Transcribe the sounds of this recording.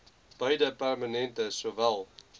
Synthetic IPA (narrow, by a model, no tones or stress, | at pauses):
b̥ɐjdəpærmənɛntəsovælˠ